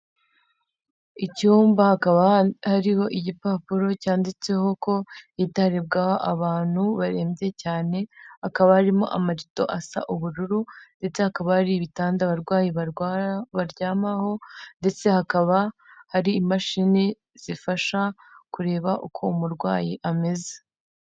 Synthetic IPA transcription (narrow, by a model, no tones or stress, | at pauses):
icuːmbahakaβahaɾiho̞ʔiɟipaːpuɾo̞caːndit͡se̞ho̞ko̞jitaɾib̚ɡahoʔaβaːn̥huβaɾe̞ːmbje̞caːne̞hakaβahaɾimo̞̰ʔa̰maɾito̞̰ʔasa̰ʔuβuɾuɾunde̞t͡se̞hakaβahaɾiβitaːndaβaɾɡwaːjiβaβaɾɟaːmaho̞nde̞t͡se̞hakaβa | haɾiːmaʃini | z̥ifaʃa | kuɾe̞ːβaʔukʰo̞umuɾɡwaːjiʔame̞ze̥